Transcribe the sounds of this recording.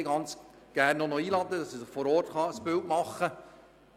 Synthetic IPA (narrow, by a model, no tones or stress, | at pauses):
ɡɑnt͡s | ɡ̥ærnːonɔiːlɑd̪ədɑsisəfɔɾɔːrtχɑəsb̥ɪltmɑχːə